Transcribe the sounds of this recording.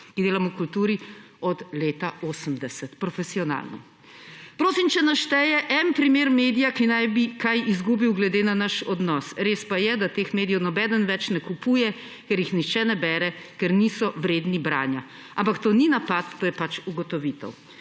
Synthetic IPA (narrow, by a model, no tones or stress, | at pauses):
kid̪eːlamɔkult̪uːɾi | ɔd̪leːt̪aoːsəmd̪ɛsɛt̪pɾɔfɛsiɔna̰lnɔ̰ | pɾoːsimt͡ʃɛnaʃt̪ɛjɛʔɛnpɾimeːɾmeːd̪ijakinajbikajizɡuːbiwɡlɛd̪eːnanaʃɔd̪nɔsɾeːspajɛd̪at̪eːxmeːd̪ijɛwnɔbɛd̪ənʋɛt͡ʃnɛkupuːjɛ | kɛɾjixnixt͡ʃɛnɛbɛːɾɛkɛɾnisɔʋɾeːd̪nibɾa̰ːnja | ampakt̪oːninapat̪ːoːjɛpat͡ʃuɡɔt̪ɔʋit̪ɛ̰w